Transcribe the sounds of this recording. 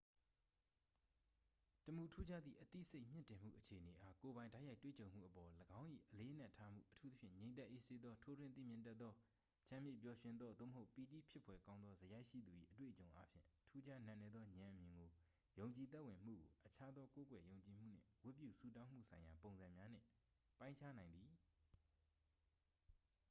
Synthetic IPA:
təmu˨tʰu˦d͡ʑa˦d̪ðḭ˦˨ʔət̪ḭ˦˨se˦ɪʔm̥jɪ̰̃˦˨ntɪ̃˨m̥ṵ˦˨ʔət͡ɕʰe˨ʔəne˨ʔa˦ko˨bã˨ɪ̃da˦ɪja˦ɪtwḛ˦˨t͡ɕõ˨ʊ̃m̥ṵ˦˨ʔəpɔ˨ləɡã˦ʊ̃ʔḭ˦˨ʔəle˦ʔən̥a˦˨tʰa˦m̥ṵ˦˨ʔətʰu˦t̪ə˦pʰjɪ̰̃˦˨ɲẽ˨nt̪ɛ˦ʔe˦˨se˦d̪ðɔ˦tʰo˦dwɪ̃˦˨t̪̬ḭ˦˨mjɪ̃˨ntɛ˦t̪ːɔ˦ | t͡ɕʰã˨mjɪ̰˦˨p̬jɔ˨ʃɪ̃˦nd̪ðɔ˦d̪o̰˦˨məɦo˦ʊpi˨ti˦˨pʰɪ˦pʰwɛ˨kã˦ʊ̃nðɔ˦zəja˦ɪʔʃḭ˦˨d̪u˨ʔḭ˦˨ʔətwḛ˦˨ət͡ɕõ˨ʊ̃ʔa˦pʰjɪ̰̃˦˨tʰu˦d͡ʑa˦n̥ã˦˨nɛ˦d̪ðɔ˦ɲã˨ʔəmjɪ̃˨ŋɡo˨ | jõ˨ʊ̃ɲt͡ɕi˨t̪̬ɛ˦ʔwɪ̃˨m̥ṵ˦˨ɡo˨ʔət͡ɕʰa˦d̪ðɔ˦ko˦kwɛ˨jõ˨ʊ̃ɲt͡ɕi˨m̥ṵ˦˨n̥ɪ̰̃˦˨wʊ˦ʔp̬jṵ˦˨su˦˨t̬ã˦ʊ̃m̥ṵ˦˨sʰã˨ɪ̃ja˨põ˨ʊ̃nzã˨mja˦n̥ɪ̰̃˦˨ | pã˦ɪ̃ɲt͡ɕʰa˦nã˨ɪ̃nd̪ði˨

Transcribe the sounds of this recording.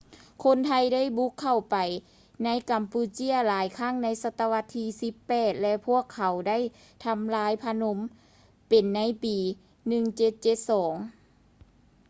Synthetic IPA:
kʰo˧˥nt̪ʰa˧jda˥˩jbu˧˦˥kʰːa˨˩wpa˨˩j | na˧˥jka˨˩mpuː˧t͡ɕi˧˥˩ɐlaː˨˦jkʰaː˥˩ŋna˧˥jsa˧˥t̪ːa˧wa˧t̪ʰːiː˧si˧˦pːɛː˨˩t̪̚lɛ˧pʰu˥˩əkʰːa˨˩wda˥˩˨j | t̪ʰa˧˥mlaː˧˥jpʰa˧no˧˥m | pe˨nːa˧˥jpiː˨˩ | nɯ˧ŋt͡ɕe˧˦t̪̚t͡ɕe˧˦t̪̚sɔː˩˦ŋ

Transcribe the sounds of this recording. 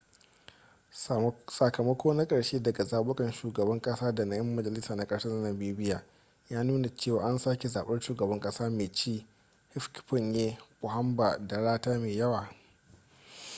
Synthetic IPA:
sɐ˨kɐ˨mɐ˦kʷoː˦na˦kʼɐ˨ɽʃeː˦dɐ˨ɡa˨zaː˨ɓʊ˦kʼɐ˨nʃuː˨ɡɐ˨bɐ˦ŋkʼɐ˦saː˦dɐ˨na˦jɐ˦mːɐ˦d͡ʒɐ˨lɪ˦saː˨na˦kʼɐ˨ɽʃɐ˦zɐ˦nɐ˨biː˦bɪ˦jaː˨ | jaː˦nuː˦na˨t͡ʃeː˦˨waː˨ʔa˦nsaː˦kʲe˨zaː˨ɓɐ˦nʃuː˨ɡɐ˨bɐ˦ŋkʼɐ˦saː˦meː˨t͡ʃiː˦ | hɪ˦fkɸʊ˦˨njeː˦pʊ˨ha˦mba˨da˨ɽaː˦taː˦meː˨jɐ˦waː˨

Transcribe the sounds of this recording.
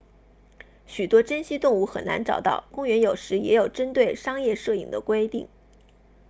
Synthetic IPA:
ɕy˨˩t̪wɔ˥ʈ͡ʂə˥nɕi˥t̪ʊ˥˧ŋu˥˩xə̰˨˩nna̰˧˥nʈ͡ʂɑ̰˨˩ʊt̪ɑ̰˥˩ʊkʊ˥ŋɥɛ˧˥njo˨˩ʊʂɻ̩˧˥jɛ˧˥jo˨˩ʊʈ͡ʂə˥nt̪we˥˩ɪʂɑ˥ŋjɛ˥˧ʂɤ˥˩i˨˩ŋd̪ə˦kwe˥ɪt̪ḭ˥˩ŋ

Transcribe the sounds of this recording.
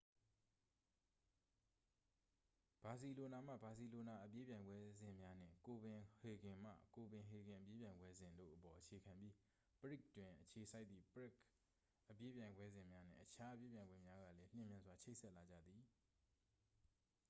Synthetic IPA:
b̥a˨s̬i˨lo˨na˨m̥ä̰˦˨ba˨si˨lo˨na˨ʔəpje˦pjã˨ɪ̃ŋɡwɛ˦zɪ̃˨mja˦n̥ɪ̰̃˦˨ko˨bɪ̃˨he˨ɡɪ̃˨m̥ä̰˦˨ko˨bɪ̃˨ɦe˨ɡɪ̃˨ʔə˨pje˦pjã˨ɪ̃ŋɡwɛ˦zɪ̃˨ndo̰˦˨ʔəpɔ˨ʔət͡ɕʰe˨kʰã˨mbji˦ | pəɹi˦˨k̚twɪ̃˨ʔət͡ɕʰe˨sʰa˦ɪt̪t̪ːḭ˦˨pəɹɪ˦˨k | ʔəpje˦pjã˨ɪ̃ŋɡwɛ˦zɪ̃˨mja˦n̥ɪ̰̃˦˨ʔət͡ɕʰa˦ʔə˦pje˦pjã˨ɡwɛ̰̃˦˨mja˦ɡä̰˦˨lɛ˦l̥ɪ̰̃˦˨mjã˦nzwa˨t͡ɕʰe˦ɪʔsɛ˦ʔla˨d͡ʑä̰˦˨d̪ði˨

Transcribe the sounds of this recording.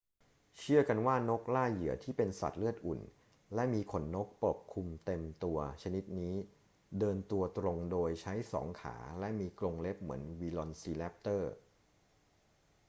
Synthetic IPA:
t͡ɕʰɯ˥˩ɐka˧nwaː˥˩no˦˥k̚laː˥˩jɯ˩˦ɐt̪ʰiː˥˩pe˧nsa̰˨˩t̪̚lɯ˥˩ət̪̚ʔu˨˩n | lɛ˦˥miː˧kʰo˩˦nːo˦˥k̚po˨˩p̚kʰu˧mt̪e˧mt̪u˧ɐt͡ɕʰa˧ni˦˥t̪̚niː˦˥ | dɤː˧nt̪u˧ɐt̪ɾo˧ŋdoː˧jt͡ɕʰa˦˥jsɔ̰ː˩˦ŋkʰa̰ː˩˦lɛ˦˥miː˧klo˧ŋle˦˥p̚mɯ̰˩˦ənwiː˧lɔ˧nsiː˧lɛ˦˥p̚t̪ɤː˥˩

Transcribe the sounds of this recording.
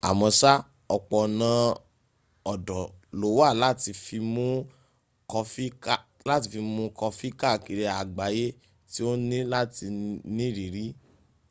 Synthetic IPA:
a̰˨mɔ̃˧sa˦ | ɔ˧k͡pɔ˨nã˧ | ɔ˨dɔ̃˨lo˨˦wa˦˨la˦ti˧fi˧mũ˦ | kɔ˧fi˦ka˦˨ | la˦ti˧fi˧mũ˧˦kɔ˧fi˦ka˦˨ki˨ɾe˧a˨ɡ͡ba˨˦je˦ | ti˦o˦nĩ˦la˦ti˧nĩ˦ɾi˨ɾi˦

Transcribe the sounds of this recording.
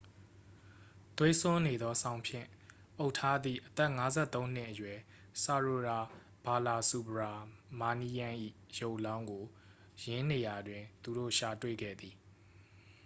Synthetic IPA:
t̪we˦sʊ̃˦ne˨d̪ɔ˦sʰã˦ʊ̃mpʰjɪ̰̃˦˨ | ʔo˦ʊʔtʰa˦d̪ðḭ˦˨ʔət̪ɛ˦˨ʔŋa˦zɛ̰˦˨t̪õ˦ʊ̃n̥ɪ˦ʔəjwɛ˨ | sa˨ɹo˨ɹa˨ | b̥a˨la˨su˨bəɹa˨ma˨ni˦jã˦ʔḭ˦˨ | jo˦ʊʔlã˦ʊ̃ŋɡo˨ | jɪ̃˦ne˨ja˨dwɪ̃˨nt̪u˨ɾo̰˦˨ʃa˨twḛ˦˨ɡɛ̰˦˨d̪i˨

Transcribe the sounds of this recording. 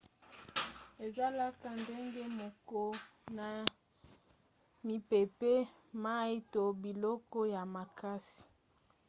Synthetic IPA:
e˨za˦la˦ka˨nde˦ŋɡe˦mo˨kɔ˦na˨ | mi˨pe˨pe˦ | ma˦i˦to˨bi˨lɔ˦kɔ˦ja˨ma˨ka˦si̥˨

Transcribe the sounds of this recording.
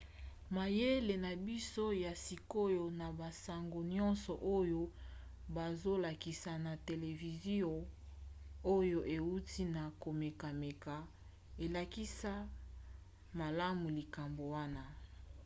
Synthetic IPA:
ma˨je˦le˨na˨bi˦so˦ja˨si˨ko˦jo˦na˨ba˨sa˨ŋɡo˨ɲɔ̃˦nsɔ˨ʔo˦jo˦ | ba˨zo˦la˨ki˨sa˨na˨te˨le˨vi˨zi˦ɔ˨ | o˦jo˦ʔe˨u˦ti˦na˨ko˨me˨ka˨me˨ka˨ | e˨la˨ki˦sa˦ | ma˨la˦mu˨li˨ka˨mbo˨wa˦na˦

